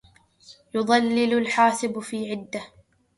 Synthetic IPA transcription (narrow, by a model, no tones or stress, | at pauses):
jʊðˤɑlːɪlʊlħaːsɪbfiːʕɪd̪ːa